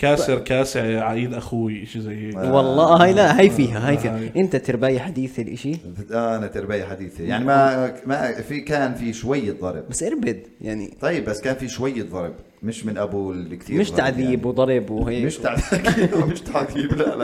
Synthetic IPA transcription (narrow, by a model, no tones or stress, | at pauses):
kaːsɪɾkaːsɪʕʕaʔiːd̪ʔaxuːiʔɪʃizajːeːwɑlˤːɑːhajlaʔhajfiːɦahajfiːaʔɪnt̪at̪ɪɾbaːjaħad̪iːθɪlʔɪʃiʔaʔanat̪ɪɾbaːjaħad̪iːθijaʕnimamafikaːnfiʃwajːðˤɑ̰ɾˤb̚basːʔɪɾˤbɪd̪ | jaʕnḭˤɑjːɪbːasːkaːnfiʃwajːðˤɑɾˤb | mɪʃmɪnʔabuːlkt̪iːɾmɪʃt̪aʕðiːbwd̪ˤɑɾˤbwhaːmɪʃt̪aʕðikmɪʃt̪aʕðiːblal